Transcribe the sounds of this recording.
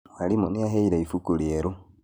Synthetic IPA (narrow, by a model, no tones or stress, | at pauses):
walimunijaɦeiɾeifukulieɾu